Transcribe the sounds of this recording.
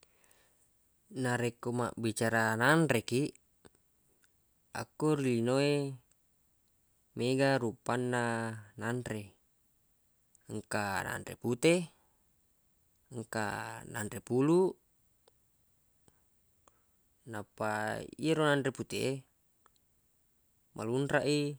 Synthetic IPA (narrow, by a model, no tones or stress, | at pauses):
naɾekːoma̰ʔbit͡ʃaɾanandɾekiʔ | a̰kːuɾilinoe | meɡaɾupːanːanandɾe | əŋkana̰nɾḛput̪e | əŋka̰na̰ndɾepulu | napːaḭaɾonandɾeput̪ee | mʔa̰lunɾaʔi